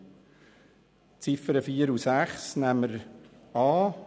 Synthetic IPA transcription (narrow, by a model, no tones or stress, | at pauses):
t͡sɪfəɾəfiːəɾusæχsnæməɾ | ɑː